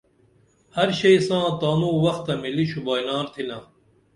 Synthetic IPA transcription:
hɐɾɕɐjsãːt̪aːnũːwɐxt̪ɐmiliɕubaːjlaːɾt̪ʰilãː

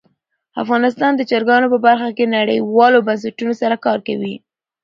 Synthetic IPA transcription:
a̰fɣɑnɪs̬t̪ɑnd̪əd͡ʒaɾɡɑnopəbaɾxakenaɽə̰jwɑlobans̬aʈunosaɾakɑɾkawi

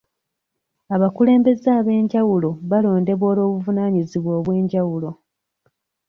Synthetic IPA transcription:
aβakule̞ːmbe̞zaːβe̞ːɲɟawulo̞βalo̞ːnde̞βo̞ːlo̞ːβuvunaːɲiziβwo̞ːβwe̞ːɲɟawulo̞

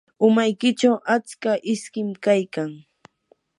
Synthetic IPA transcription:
ʊmajkɪt͡ʃawʔat͡skaʔɪskɪmkajkaŋ

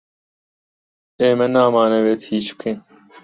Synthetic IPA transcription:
eːmɐnaːmaːnɐweːt̪ʰiːʃp̚kʰen

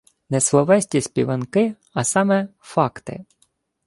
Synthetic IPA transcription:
nɛslˠɔʋɛsʲtʲisʲpʲiʋɐnkɪ | ɐsɑmɛfɑkt̪ɪ̰

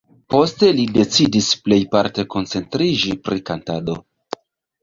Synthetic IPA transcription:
po̞ste̞lide̞t͡sidisple̞jpaɾteko̞nt͡se̞ntɾid͡ʒipɾikantado̞

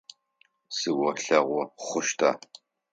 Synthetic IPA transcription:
sɨwɔɬɐʁʷɔχʷʊʃtʰa̰ː

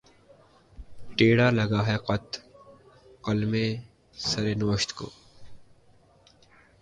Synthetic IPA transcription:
ʈeːɽaːlɐɡaːɦɛqɐt̪ | qɐlmẽː | sɐɾeːnəʋəʃt̪ko̰ː

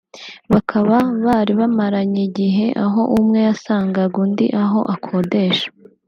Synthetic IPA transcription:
βakʰaβaβaːɾiβamaɾaɲiɟiɦe̞ʔaɦo̞ʔumŋe̞jasaːŋɡaɡundḭʔaɦo̞̰ʔakʰo̞de̞ːʃḁ

